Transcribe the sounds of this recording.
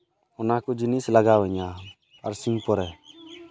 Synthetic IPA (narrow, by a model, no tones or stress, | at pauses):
ʊnakud͡ʒinisləɡaʋəɲa | əɾsĩŋpɔɾɛ